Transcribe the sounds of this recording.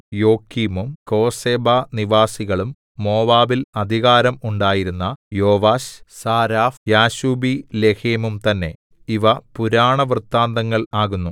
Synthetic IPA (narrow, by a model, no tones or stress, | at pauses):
jo̞ːkːimumko̞ːseːbaːniʋaːsiɣɐɭumː | o̞ːʋaːbilɐd̪ʱiɣaːɾɐmuɳɖaːjiɾunːɐjo̞ːʋaːɕsaːɾaːfjaːɕuːbile̞keːmumt̪ɐnːe̞̰ | iʋɐpuɾaːɳɐʋrt̪ːaːnd̪ɐŋːɐɭaːɣunːu